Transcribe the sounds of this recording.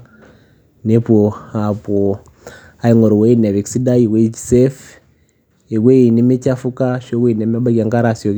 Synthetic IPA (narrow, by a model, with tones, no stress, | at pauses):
ne˦po˨a˨po˨ | a˨i˨ŋo˨ɾu˨we˦i˦ne˨βi˨ksi˦da˦i˨we˦ici̥˨se˦f | i˨we˦i˨ni˦mi˦ca˦fu˦ka˦ʃo˦we˨ne˨ma˦ba˦ɡa˨ŋɡa˦ɾasjo˨